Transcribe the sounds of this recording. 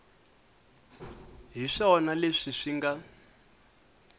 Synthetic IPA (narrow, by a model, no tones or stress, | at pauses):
ɦiʂɔnaleʂiʂiŋɡa